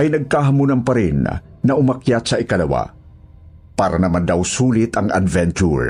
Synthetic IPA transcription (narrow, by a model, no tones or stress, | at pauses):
ʔɐjnɐɡ̚kaɦamunampaɾɪnː | ɐʔʊmakjat̪saʔɪkalɐwa̰ | paːɾanɐmand̪awsuːlɪt̪ɐŋa̰d̪vɛnt͡ʃṵɹ